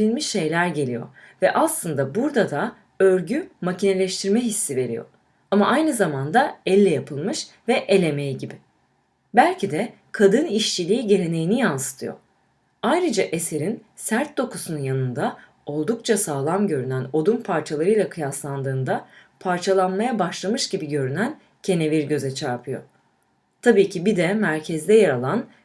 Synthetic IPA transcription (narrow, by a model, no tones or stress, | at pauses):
ɾinʲmiʃʃe̞jlʲæɾɟe̞lʲijo̞̰vɛʔaslˠɯnd̪abuɾd̪ad̪a | øɾɟymacʰine̞lʲɛʃt̪ʰiɾmɛɦisːive̞ɾḭjo̞̰ | amaʔajnɯzamand̪aɛlʲːɛjapʰɯlˠmɯʃvɛʔelʲe̞mejiɟibɪ | bælʲcʰid̪ɛ | kʰad̪ɯniʃt͡ʃʰilʲiiɟe̞ɾʲe̞ne̞jinijansɯ̥t̪ʰɯ̰jo̞̰ | ajɾɯd͡ʒaʔe̞se̞ɾin | sæɾt̪̚d̪o̞kʰusununjanɯnd̪a | o̞lˠd̪uk̚t͡ʃʰasaːlˠamɟø̞ɾynæno̞d̪umpʰaɾt͡ʃʰalˠaɾɯjlˠakʰɯjaslˠand̪ɯːnd̪a | pʰaɾt͡ʃʰalˠanmajabaʃlˠamɯʃɟibiɟø̞ɾynæn | cʰe̞ne̞viɾɟø̞zɛt͡ʃʰaɾpʰɯjo̞̰ | t̪ʰabiːcʰibid̪ɛmæɾcʰɛzd̪ɛjaɾalˠan